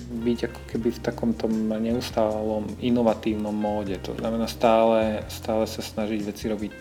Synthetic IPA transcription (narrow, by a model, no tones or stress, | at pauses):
biɟakɔ̥kɛbift̪akɔmt̪ɔmɲɛust̪aːlɔminɔʋat̪iːʊnɔmːɔːɟɛt̪ɔ̰znamɛnaːst̪aːlɛst̪aːlɛsasnaʒiɟʋɛt͡siɾɔbic